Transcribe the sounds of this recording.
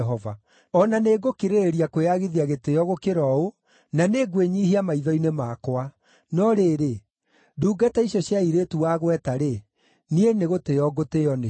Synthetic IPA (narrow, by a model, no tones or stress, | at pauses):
ɦɔva | ɔnaneːɡokeɾeɾiakweaɣiðiaɣetejɔɣokeɾɔo | naneːɡweɲiɦiamaiðɔinemakwa | nɔɾeːɾe | duːɡatɛiɕjɔɕjaiɾetuwaːɣwɛtaɾe | nieneɣotejɔɡoteɔne